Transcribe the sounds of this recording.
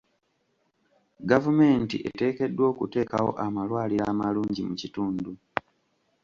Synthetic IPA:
ɡavume̞ːntḭʔḛte̞ːke̞dːwo̞ːkute̞ːkawo̞̰ʔamalwaːliɾamaluːɲɟimucituːndu

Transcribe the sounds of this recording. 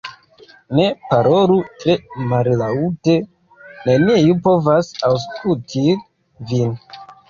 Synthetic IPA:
ne̞paɾo̞lutɾe̞mallaute̞ | naniejupo̞vasaws̬kultʰi | vin

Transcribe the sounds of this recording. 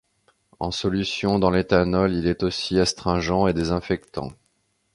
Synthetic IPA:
ɑ̃sɔlysjɔ̃d̪ɑ̃let̪anɔlilɛt̪osiast̪χɛ̃ʒɑ̃ed̪ezɛ̃fɛk̚t̪ɑ̰̃

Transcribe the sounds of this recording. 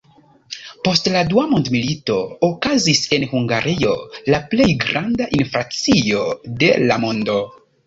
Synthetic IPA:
po̞stladuamondmilito̞ːkazise̞nhuŋɡaɾʔio̞laplejɡɾandaʔinfɾat͡sio̞de̞̰lamondo̞

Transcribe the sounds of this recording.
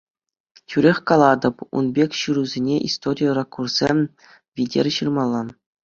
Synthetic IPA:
tʲyɾʲexʲkɑlˠɑd̪ɤ̆pṵnbʲekʲɕɯɾuzʲenʲeʔist̪oɾʲijərɑkːursʲemʲ | ʋʲidʲḛrʲɕɯrmɑlˠːɑn

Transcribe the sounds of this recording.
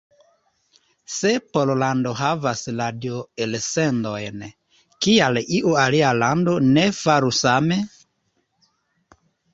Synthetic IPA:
sepololandoɦavasladjoelsendojn | kialiʔualialando̞nefaɾusame

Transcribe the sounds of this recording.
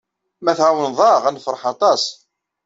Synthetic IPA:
mæθʕawənðˤɑʁænfɾˤħɑt̪ˤɑs

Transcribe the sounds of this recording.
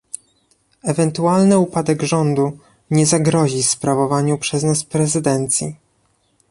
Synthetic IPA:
ɛvɛnt̪ualnɘupad̪ɛɡʐɔnd̪u | ɲɛzaɡɾɔʑispɾavɔvaɲupʂɛznaspɾɛzɘd̪ɛnt̪sʲjḭ

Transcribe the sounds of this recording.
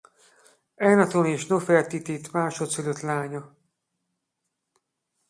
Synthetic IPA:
ɛjnɒt̪oneːʃnofɛrt̪it̪it̪maːʃot̪syløt̪laːɲɒ

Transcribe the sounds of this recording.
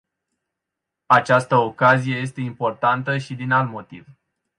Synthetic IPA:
at͡ʃast̪əokazije̞je̞s̬t̪e̞impo̞rt̪ant̪əʃid̪inalt̪mo̞t̪ḭv

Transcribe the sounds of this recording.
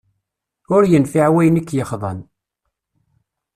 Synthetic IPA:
ʊɾjənfiʕwæjənækːjəχðˤɑ̰n

